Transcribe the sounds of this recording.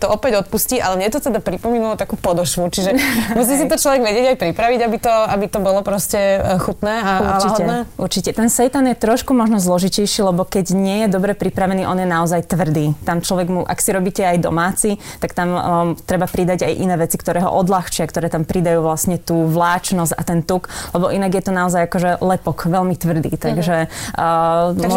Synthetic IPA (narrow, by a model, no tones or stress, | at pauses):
t̪ɔɔpɛɟɔt̪̚pusciːʔa̰lɛmɲɛt̪ɔt̪ɛd̪apɾipɔmiːnulɔt̪akuːpɔd̪ɔʃʋut͡ʃiʒɛmus̬iːs̬it̪ɔt͡ʃlɔʋɛɡʋɛɟɪɛɟajpɾipɾaʋiɟabit̪ɔabit̪ɔbɔlɔpɾɔscɛxut̪nɛːauɾaɾlt͡ʃiɦɔdɛnɛuɾt͡ʃicɛt̪ɛnsɛjt̪anjɛt̪ɾɔʃkumɔʒnɔzlɔʒicɛjʃiːlɛbɔkɛɟɲɪɛjɛd̪ɔbɾɛpɾipɾaʋɛniːʔɔnjɛnaɔzajt̪ʋr̩d̪iːt̪amt͡ʃlɔʋɛɡmuʔa̰ksiɾɔbiːcɛajd̪ɔ̰maːt͡sit̪akt̪amt̪ɾɛbapɾid̪aɟajʔinɛːʋɛt͡sikt̪ɔɾɛːɦɔ̰ʔɔd̪laxt͡ʃɪakt̪ɔɾɛːt̪ampɾid̪ajuːʋlasɲɛt̪uːʋlaːt͡ʃnɔza̰t̪ɛnt̪uklɛbɔʔinaɡjɛt̪ɔnaɔzajakɔʒɛlɛpɔkʋɛlmit̪ʋr̩d̪ḭːt̪aɡʒɛ